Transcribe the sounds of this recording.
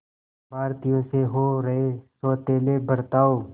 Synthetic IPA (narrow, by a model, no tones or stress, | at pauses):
bʱaːɾt̪ɪjõːseːɦoːɾəɦeːsɔːt̪eːleːbʱəɾt̪aːoː